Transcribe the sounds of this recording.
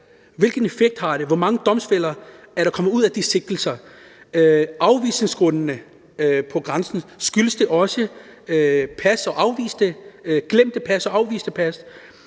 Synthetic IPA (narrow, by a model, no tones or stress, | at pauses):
ʋe̝lɡ̥n̩efeɡ̥̚d̥hɑ̈ɾ̥e̝ʋɒmɑ̈ŋəd̥ɒ̽msfel̰ɐ | æɐɾ̥ɑ̈kʰɒ̽məuð̞̰ˠæd̥ise̝ɡ̥̚d̥l̩sɐ | ɑ̈ʊʋḭːse̝ŋsɡ̥ʁɔnnə | pʰɒ̽ɡ̥ʁɑ̈nsn̩sɡ̥yləsd̥e̝ʔɒ̽sə | pʰæsɒ̽ʔɑ̈ʊʋḭːsd̥əɡ̥lem̰d̥əpʰæsɒ̽ɑ̈ʊʋḭːsd̥epʰæs